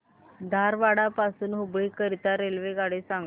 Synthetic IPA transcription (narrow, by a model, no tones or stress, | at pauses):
d̪ʱaɾʋaɽapasuːnɦubɭiːkəɾit̪aɾelʋeɡaɽesaŋɡ